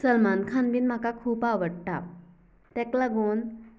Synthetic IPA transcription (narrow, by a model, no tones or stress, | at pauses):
səlmankʰanbiːnm̤akakʰuːpaʋəɽt̪a | t̪ɛklaɡon